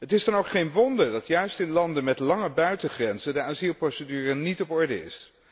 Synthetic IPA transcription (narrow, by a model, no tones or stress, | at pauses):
ɦətɪzdɑnowkχejnʋɔndəɹdɑtjœɥstɪnlɑndəmɛtlɑŋəbœɥtəχrɛnzədəaːzilˠprowsədyːrənitɔpɔɹdəɪ̰s